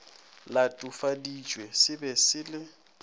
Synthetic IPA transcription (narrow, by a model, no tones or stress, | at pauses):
latʼufadi̥d͡ʒʼwesɪbɛsɪlɪ